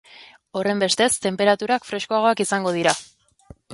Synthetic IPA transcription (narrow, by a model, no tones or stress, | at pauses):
o̞re̞mbe̞st̪e̞st̪e̞mpe̞ɾat̪uɾakfɾe̞skoaɣ̞o̞akisaŋɡo̞ð̞iɾa